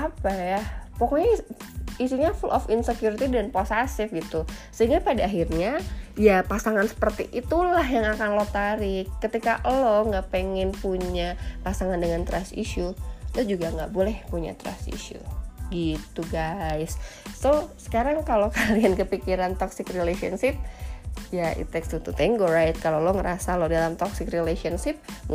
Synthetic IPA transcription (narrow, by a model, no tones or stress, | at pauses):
apajapokoɲa | isiɲafulʔɔfɪnsekjuɾit̪idanposasɪfɡit̪u | səɦiŋɡapadaːɦirɲajapasaŋansə̥pərt̪iʔit̪ulahjaŋakanlot̪aɾɪkːət̪ikaʔloŋɡaʔpeŋɛnpuɲapasaŋandəŋant̪ɾasḭʃulod͡ʒuɡaŋɡaʔbolɛhpuɲa̰t̪ɾa̰sḭʃṵɡit̪uɡajsːosə̥kaɾaŋkalokaliankəpikiɾant̪ɔksɪkrilesiɔnsɪp̚jaʔḭt̪ɛkst̪ut̪ut̪ɛŋɡoɾajt̪̚kaloloŋəɾasalodalamt̪ɔksɪkrilesiɔnsɪp̚